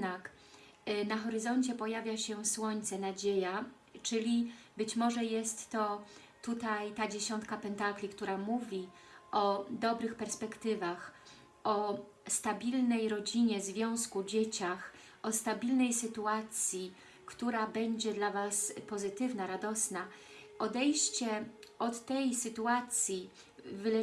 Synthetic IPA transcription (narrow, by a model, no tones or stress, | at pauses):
nak | naxɔɾɘzɔɲt͡ɕɛpɔjavʲjaɕɛswɔɲt̪sɛnad͡ʑeja | t͡ʂɘlʲibɘt͡ɕmɔʐɛjɛst̪ːɔ | t̪ut̪ajt̪ad͡ʑeɕɔnt̪̚kapɛnt̪aklʲikt̪uɾamuvʲiɔd̪ɔbɾɘxpɛɾspɛkt̪ɘvax | ɔ | st̪abʲilnɛjɾɔd͡ʑiɲɛzvʲjɔ̃w̃skud͡ʑet͡ɕax | ʔɔst̪abʲilnɛjsɘt̪uat̪sʲji | kt̪uɾabɛɲd͡ʑɛd̪lavaspɔzɘt̪ɘvnaɾad̪ɔsna | ʔɔd̪ɛjɕt͡ɕɛɔt̪ːɛjsɘt̪uat̪sʲji | vlɛ